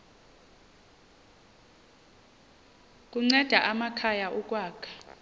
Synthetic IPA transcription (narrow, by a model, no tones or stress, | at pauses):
k̬ʼuŋ͡ǀɛd̥ʱaʔamakʰajaʔɔk̬ʼwaːkʰḁ